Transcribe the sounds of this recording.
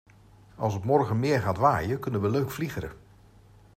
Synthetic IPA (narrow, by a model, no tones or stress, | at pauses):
ɑ̰lˠsətmɔɹχənmɪːɹχaːtʋaːjəkɵnənʋəløɥkfliχəɾə̰